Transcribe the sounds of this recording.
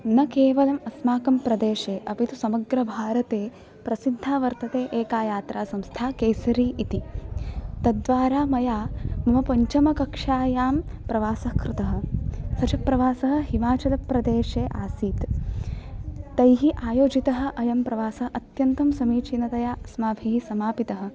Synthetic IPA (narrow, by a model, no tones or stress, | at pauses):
nɐkeːʋɐlɐmɐsmaːkɐmpɾɐd̪eːʃeːʔɐpit̪usɐmɐɡɾɐbʱaːɾɐt̪eː | pɾɐsid̪ʱːaːʋɐɾt̪ɐt̪eːʔeːkaːjaːt̪ɾʔaːsɐmst̪ʰaːkejsɐɾiːʔit̪i | t̪ɐd̪ʋaːɾaːmɐjaːmɐmɐpɐɲt͡ʃɐmɐkɐkʂaːjaːmpɾɐʋaːsɐkɾɪt̪ɐɦɐ̆sɐt͡ʃɐpɾɐʋaːsɐɦɐ̆ɦimaːt͡ʃɐlɐpɾɐd̪eːʂeːʔaːsiːt̪ | ɐjɦiʔaːjoːd͡ʒit̪ɐɦɐ̆ʔɐjɐmpɾɐʋaːsɐɦʔɐt̪jɐnt̪ɐmsɐmiːt͡ʃinɐt̪ɐjaːsmaːbʱiɦisɐmaːpit̪ɐɦɐ̆